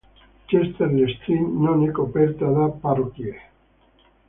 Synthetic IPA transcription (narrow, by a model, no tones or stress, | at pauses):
t͡ʃest̪eɾlest̪inːonekopeɾt̪aðaparokje